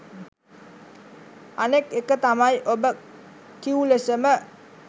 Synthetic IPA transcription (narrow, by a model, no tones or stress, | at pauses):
anekekət̪amajʔobə | kiulesəmə